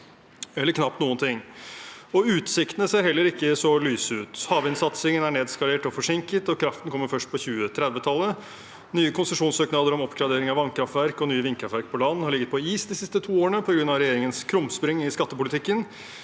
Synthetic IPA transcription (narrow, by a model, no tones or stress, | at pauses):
ɛlːəɾkʰnɑpt̪nuːənt̪ʰɪŋː | ɔʉːt̪sɪkt̪ənəseːɾhɛlːəɾɪkːəsɔlyːsʉːt̪hɑːʋɪnsɑt̪sɪŋənæɳeːd̪skɑleːʈɔfɔʂɪŋkət̪ɔkʰɾɑft̪n̩kʰɔmːəɾfœʂʈ̚pʰɔçʉːət̪ʰɾɛd̪ʋət̪ʰɑlːə | nyːəkʰʊnsəʂuːnsøːknɑːd̪əɾɔmɔpɡɾɑd̪eːɾɪŋɑʋɑnkʰɾɑft̪ʋæɾkɔnyːəʋɪŋkʰɾɑfʋæɾk̚pʰɔlɑnn̩hɑɾɭɪɡːət̪̚pʰɔiːsd̪ɪsɪst̪ət̪ʰuːoːɾəɳəpʰɔɡɾʉnːɑʋɾɛjeːɾɪŋənskʰɾʊmspɾɪŋɪskɑt̪ːəpʊlɪt̪ʰɪkːən